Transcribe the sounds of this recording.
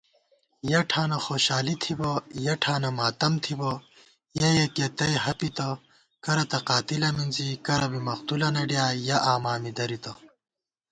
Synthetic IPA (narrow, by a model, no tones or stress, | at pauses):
jɐʈʰaːnɐxoːɕaːlit̪ʰibɐjɐʈʰaːnɐmaːt̪ɐmt̪ʰibɐ | jɐjeket̪ɐjɦɐpit̪ɐ | kɐɾɐt̪ɐqaːt̪ilɐminzikɐɾɐbimɐqt̪ulɐnɐɖjaːjɐʔaːmaːmid̪ɐɾit̪ɐ